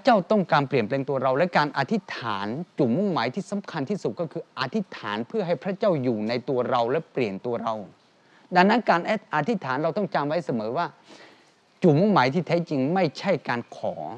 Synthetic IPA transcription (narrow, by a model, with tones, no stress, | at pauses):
pʰɾa˥t͡ɕa˥˩wt̪ɔ˥˩ŋkaː˧npli˨˩ənplɛː˧ŋt̪u˧ɐɾa˧wlɛ˦˥kaː˧nʔa˧t̪ʰi˦˥t̪ʰaː˩˦nt͡ɕu˨˩mu˥˩ŋmaː˩˦jt̪ʰiː˥˩sa˩˦mkʰa˧nt̪ʰiː˥˩su˨˩t̪̚kɔː˥˩kʰɯː˧ʔa˧t̪ʰi˦˥t̪ʰaː˩˦npʰɯ˥˩ɐɦa˥˩jpʰɾa˦˥t͡ɕaː˥˩wjuː˨˩na˧jt̪u˧ɐɾa˧wlɛ˦˥pli˨˩ənt̪u˧ɐɾa˧w | da˧ŋnːa˦˥nkaː˧nʔʔa˧t̪ʰi˦˥t̪ʰːaː˩˦nɾa˧wt̪ɔ˥˩ŋt͡ɕa˧mwa˦˥jsa˧mɤː˩˦waː˥˩ | t͡ɕuː˨˩mu˥˩ŋmaː˩˦jt̪ʰiː˥˩t̪ʰɛː˦˥t͡ɕi˧ŋma˥˩jt͡ɕʰa˥˩jkaː˧nkʰɔː˩˦